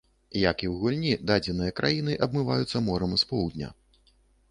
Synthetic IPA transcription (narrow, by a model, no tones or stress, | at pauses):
jakiwɣulʲnʲid̪ad͡zʲɛnɨjɐkɾʔajinɨʔɐbmɨvajut̪sːɐmɔɾɐmspɔwd̪ʲnʲɐ̰